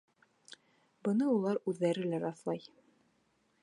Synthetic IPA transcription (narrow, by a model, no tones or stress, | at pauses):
bɤ̆nɤulˠɑɾʉðːæɾɘlæɾɑθlˠɑj